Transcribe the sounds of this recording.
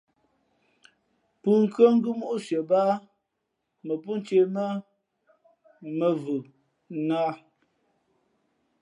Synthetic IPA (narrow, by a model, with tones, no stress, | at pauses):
pʉ˨ŋ̩˨kɰə˦ŋ̩˦ɡʉ˦mo˦ʔsɥə˨ba˦ | mə˨pu˦n˦t͡ʃe˦˨mə˦ | mə˨vʉ˨ | naː˦